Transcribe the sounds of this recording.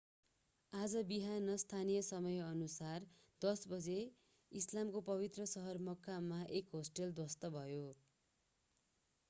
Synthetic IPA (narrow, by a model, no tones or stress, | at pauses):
ad͡zʌbiɦanʌst̪ʰanijʌsʌmʌjʌnusar | d̪ʌsbʌd͡ze | islamkopʌβit̪rʌsʌɦʌrmʌkʰːamaʔekɦosʈʌld̪wʌst̪ʌbʱʌjo